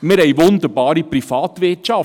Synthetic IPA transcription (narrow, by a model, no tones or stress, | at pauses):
mɪɾɦɛɪʋʊnd̪əɾbɑːɾiprifɑːt̪ʋɪtʃɑf